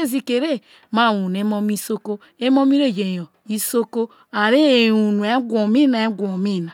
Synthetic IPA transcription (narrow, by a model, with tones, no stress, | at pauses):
e˦zi˨ke˨ɾe˦ | ma˦˨wu˨n˨e˦mo˦m˦i˦so˦ko˦ | e˦mo˦mi˦ɾe˦˨je˨jo˨ | i˦so˦ko˦ | a˨ɾe˦˨u˨nu˨e˦ɡʷo˨mi˦na˨e˦ɡʷo˨mi˦˨na˨